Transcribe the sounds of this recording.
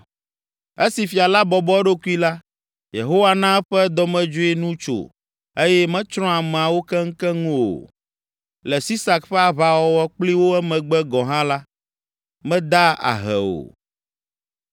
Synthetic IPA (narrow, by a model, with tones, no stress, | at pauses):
e˦si˨fi˨a˨la˦bɔ˨bɔ˦ɖo˦ku˦i˦la˦ | jḛ˨ɦo˦wa˦˨nã˦ɛ˦ɸɛ˦d̪ɔ˦mɛ̃˦d͡ʒo˦e˦nũ˦t͡ʃo̰˨ | e˦jɛ˦mɛ̃˦t͡ʃɾ̃ɔ̃˦a˨mɛ̃˨a˨wo˦kɛ˦ŋ̩˦kɛ˦ŋũ˦o̰˨ | lɛ˨si˦sa˨kɸɛ˦a˨βa˨wɔ˦wɔ˦k͡pli˦wo˦ɛ˦mɛ̃˨ɡ͡bɛ˦ɡɔ̃˨ɦã˦la˦ | mɛ̃˦d̪a˦a̰˨ɦɛ̰˨o̰˨